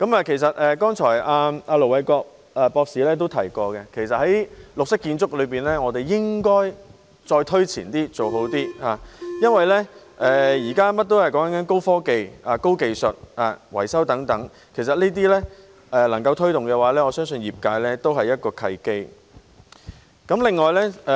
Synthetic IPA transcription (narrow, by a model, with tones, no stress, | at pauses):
kɐ˨˥maː˧kʰe˨˩js̬ɐ˨t̚ɛː˨kɔː˥ŋt͡ʃʰɔː˨˩jaː˧aː˧lo˨˩wɐ˨˧jkɔː˧k̚ | a˨pɔː˧k̚siː˨˥lɛː˥t̪̬o˥wt̪ʰɐ˨˩jkɔː˧kɛ˧kʰe˨˩jsɐ˨t̚hɐ˨˦jlʊ˨k̚sɪ˥kːiː˧nt͡sʊ˥k̚lɵ˨˧piː˨˩nlɛː˥ŋɔː˨˧t̪e˨jːɪ˥ŋkɔː˥j | t͡sɔː˧jt̪ʰɵ˥ɥt͡sʰiː˨˩nt̪iː˥t͡so˨wɦo˨˥wt̪iː˥haː˨˩jɐ˥nwɐ˨jlɛː˥ | ʔɛː˨jiː˨˩kaː˥mɐ˥t̚t̪o˥whɐ˨jkɔː˨˥ŋkɐ˨˥ŋkɐ˨˦nko˥wfɔː˥ke˨˧jaː˨˩ko˥wke˨˧jsɵ˨t̚ʔaː˨˩wɐ̰˨˩jsɐ˥wt̪ɐ˨˥ŋt̪ɐ˨˥ŋ | kʰe˨˩js̬ɐ˨t̚liː˥t̪̬iː˥lɛː˥ | ɛ˨lɐ˨˩ŋkɐ˧wt̪ʰɵ˥ɥt̪ʊ˨˩ŋkɛː˧waː˨˥lɛː˥ŋɔː˨˧sœː˥ŋsɵ˧njiː˨p̚kaː˧jlɛː˥t̪o˥wɦɐ˨jɐ˥t̚kɔː˧kʰɐ˧jke˥j | kɐ˨˥mlɪ˨ŋːɔː˨jlɛ˥˨